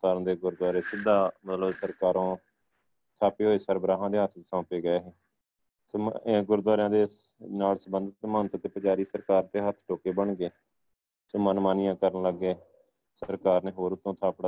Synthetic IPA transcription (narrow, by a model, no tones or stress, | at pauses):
t̪aːɾ̃d̪eːɡʊɾd̪waːɾeːsɪd̪aːmət̪ləbsəɾkaːɾõː | t̪ʰaːpeːɦoːeːsəɾbɾaːɦãːd̪eːɦət̪ʰsãːpeːɡəeːɦeː | ɡʊɾd̪waːɾɪjãːd̪eː | naːlsəbənd̪ət̪mənt̪t̪epəd͡ʒaːɾiːsəɾkaːɾt̪eːɦət̪ʰʈoːkeːbəɳɡeː | soːmənmaːnɪjãːkəɾənləɡːeː | sɾkaːɾneːɦoːɾʊt̪ːõːt̪ʰaːpɽa